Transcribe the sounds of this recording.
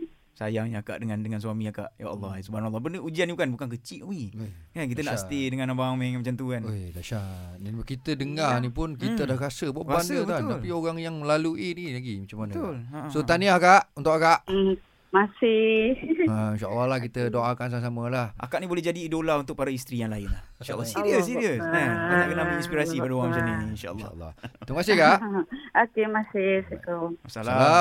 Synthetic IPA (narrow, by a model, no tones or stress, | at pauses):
sajaŋjaka̰ʔdəŋandəŋansuamiaka̰ʔjaʔa̰lːɑsubanalˤːɑbəndəud͡ʒianiukanbukank̬ət͡ʃiʔikankit̪ənaʔsst̪edəŋanːabaaŋmɛŋmat͡ʃant̪uanedaʃanakit̪ədəŋanipʊnkit̪ədahrasəbaʔbanubət̪aalpioɣaŋjaŋməlaluinilaɡimat͡ʃamːanolsot̪aniakaʔunt̪ʊʔakaʔ̩ | masɪhainʃaʔə̰lːɑɦlahkit̪ədoʔakans̬ams̬aməlahʔa̰kaʔnibolɛɦd͡ʒadiːdolaunt̪ʊk̚paɾaist̪ɾijaŋlaɪnlahiʃalːɔsɾiəssiɾiəsaanaʔkənabiinspiɾasipadəwaŋmat͡ʃainiinʃa̰ə̰lːə̰lːɔ̰ht̪uŋkasɪhkaʔokemasɪhsək̪oasaaa